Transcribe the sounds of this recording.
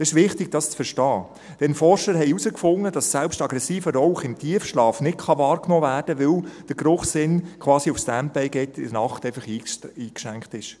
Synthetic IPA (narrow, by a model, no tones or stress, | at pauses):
sɪʃʋɪχtɪɡ̥̚d̥ɑst͡sfəɾʃtɑː | d̥ɛnfɔɾʃəɾɦɛɪusəkfʊŋːəd̥ɑssɛlpʃtɑɡɾɛsiːfəɾɔwχɪmtʰiəfʃlɑːfnɪtkχɑʋɑːɾknɔːvæːrd̥əʋɪld̥əɾɡɾʊχsɪnkʰʋɑːsiufstæn̚pɛɪɡɛtʰɪdənɑχtɛɪfɑχiːiːkʃæŋkχtɪʃ